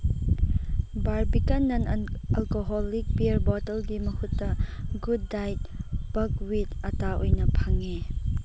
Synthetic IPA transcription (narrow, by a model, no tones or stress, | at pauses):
baɾbikɐnːɐnɐlkoɦɔlik̚piɐɾbɔtɐlɡimɐhʰutːɐɡudːajt̚b̥ɐk̚witɐtaʔojnɐpʰaŋe